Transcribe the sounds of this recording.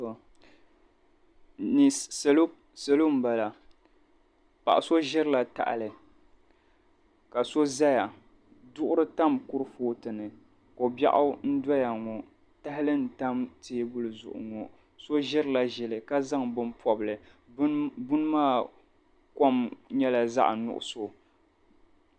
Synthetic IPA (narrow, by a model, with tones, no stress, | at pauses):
ni˨slo˦ | sa˨lo˦m̩˦ba˨la˨ | pa̰˨ʔa˨so˦ʒɪ˦ɾɨ˦la˨ta̰˨ʔa̰˨lɨ˨ | ka˨so˦za˦ja˨ | dʊ˦ʔʊ˦ɾɨ˦ta˦mkʊ˦ɾɨ˦foː˦tɨ˨nɨ˨ | ko˨ba̰˦ʔʊ˦n̩˦da˦ja˨ŋɔ˨ | ta˦hɪ˦lɨ˦n̩˨ta˦mteː˦bʊ˦lɨ˨zʊ̰˨ʔʊ̰˨ŋɔ˨ | so˦ʒɪ˦ɾɨ˦˨la˨ʒɛ˨lɨ˨ka˦za˦ŋbɨ˦mpɔ˦bɨ˨lɨ˨˦ | bʊ˦n˦maː˦˨ | kɔ˦mɲɛ˦la˨za̰˦ʔnʊ̰˨ʔʊ̰˨so˦